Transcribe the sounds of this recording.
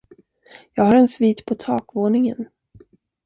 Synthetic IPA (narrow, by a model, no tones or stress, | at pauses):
jɑːɡhaɾɛnsviːt̪pʰɔt̪ʰɑːkvoːnɪŋə̰n